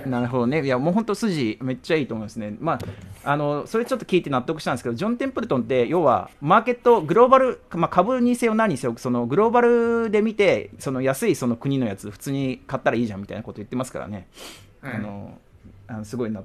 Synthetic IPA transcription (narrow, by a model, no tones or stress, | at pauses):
naɾɯ̟ɦo̞d̪o̞ne̞jamo̞ːɦõ̞nt̪osɨʑime̞t͡ɕːaiːt̪omoĩnd̪esɨne̞maano̞so̞ɾet͡ɕo̞t̪ːo̞kʲiːt̪e̞nat̪ːo̞kɯ̟i̥t̪ãnesked̪o̞d͡ʑõ̞nt̪ẽ̞mpɯ̟ɾɯ̟t̪õ̞nt̪e̞joːβa̰maːke̞t̪ːo̞ɡɯ̟ɾo̞ːbaɾɯ̟kmakʰabɯ̟ɲ̟ise̞ːona̟ɲ̟iseokɯ̟so̞no̞ɡɯ̟ɾo̞ːbaɾɯ̟d̪e̞mʲit̪e̞so̞no̞jasɨiso̞no̞kɯ̟ɲ̟ino̞jat͡sɨoɸɯ̟̥t͡sɨːɲ̟ikat̪ːaɾaiːʑãmʲit̪a̰inako̞t̪ojɯ̟t̪ːe̞masɨ̥ka̰ɾa̰ne̞̰ | ano̞̰ | ano̞sɨɡo̞ina